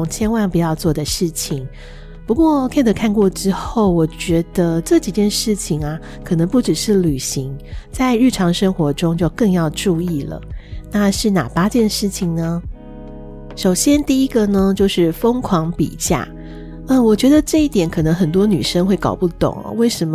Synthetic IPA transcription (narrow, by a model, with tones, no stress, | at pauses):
ŋt͡ɕʰjɛ˥nwa˥˩npu˨˩jɑ˥˧ʊt͡swɔ˥˩d̪ə˩ʂɻ̩˥˩t͡ɕʰi˨˩˦ŋ | pu˧˥kwɔ˥˧kʰa˥˩ɪd̪ə˨˩kʰa˥˧nkwɔ˥˩ʈ͡ʂɻ̩˥xo˥˩ʊwɔ˨˩t͡ɕɥɛ˧˥d̪̥ə˧ʈ͡ʂɤ˥˩t͡ɕi˨˩t͡ɕjɛ˥˧nʂɻ̩˥˩t͡ɕʰi˨˩ŋa˩ | kʰɤ˨˩nɤ˧˥ŋpu˥˩ʈ͡ʂɻ̩˨˩ʂɻ̩˥˩ly˨˩ɕi˧˥ŋt͡sa˥˧ɪɻɻ̩˥˩ʈ͡ʂʰɑ˧˥ŋʂɤ˥ŋxwɔ˧˥ʈ͡ʂʊ˥ŋt͡ɕjo˥˧ʊkɤ˥˧ŋjɑ˥˧ʊʈ͡ʂu˥˧i˥˩lə̰˩na˥˧ʂɻ̩˥˩na̰˨˩pa˥t͡ɕjɛ˥˧nʂɻ̩˥˩t͡ɕʰi˨ŋnə˩ | ʂo˨˩ʊɕjɛ˥nt̪i˥˩i˥ɡə˨nə˧t͡ɕjo˥˧ʊʂɻ̩˥˩fə˥ŋkʰwɑ˧˥ŋpḭ˨˩t͡ɕja̰˥˩ | ə˧wɔ˨˩t͡ɕɥɛ˧˥d̪ə˨ʈ͡ʂɤ˥˧i˥˩t̪jɛ˨˥nkʰɤ˨˩nə˧˥ŋxə˨˩nt̪wɔ˥ny̰˨˩ʂə˥ŋxwe˥˩ɪkɑ̰˨˩ʊpu˥˩t̪ʊ̰˨˩˦ŋɐ̰˦we˥˩ɪʂə˧˥mə